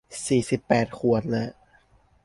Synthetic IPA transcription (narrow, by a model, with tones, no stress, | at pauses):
siː˨˩si˨˩pːɛː˨˩t̪̚kʰu˨˩ənlɤ˦˧˩